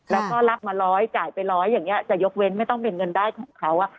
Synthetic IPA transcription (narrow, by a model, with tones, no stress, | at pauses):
lɛː˦˥wkɔː˥˩la˦˥p̚maː˧ɾɔː˦˥jt͡ɕaː˨˩jpa˧jɾɔː˦˥jːaː˨˩ŋːni˦˥ɐ˧˩t͡ɕa˨˩jo˦˥k̚we˦˥nma˥˩jt̪ɔ˥˩pe˧nŋɤ˧ndaː˥˩jkʰɔː˩˦ŋkʰa˦˥wʔa˥˩